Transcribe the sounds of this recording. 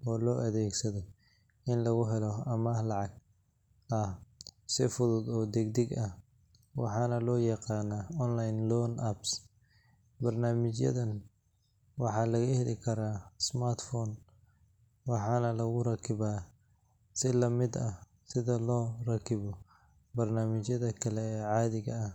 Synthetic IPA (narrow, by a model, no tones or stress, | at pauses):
ɔːlɔːʔɐðɛːɡsɐðɔ | ɪnlɐɣʊɦɛlɔɐmɐlɑʕɑɡ | ɐhsɪfʊðʊd̪ɔːd̪ɛɡd̪ɛɡɐh | wɑ̰ħɑːnɐlɔːjɑqɑːnaɔnlajnlɔnʔɐbs | bɐrnaːmɪt͡ʃjɐ̰ðɐn | wɑħɑːlɐɣɐhɛlɪ̰kʰɐɾaːsmart̪fɔːn | wɑħɑːnɐlɐɣʊrɐkʰɪβaː | sɪlɐmɪd̪ɐ | sɪðɐlɔːrɐkʰɪβɔ | bɐrnaːmɪt͡ʃjɐðɐkʰɐlɛɛːʕɑːðɪɣɐɐh